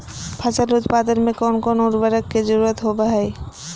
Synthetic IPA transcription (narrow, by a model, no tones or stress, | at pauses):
pʰat͡ɕalud̪pad̪eɾmekɔnkɔnoɾbaɾakːed͡ʑoɾuɾat̪ɦobaɦaj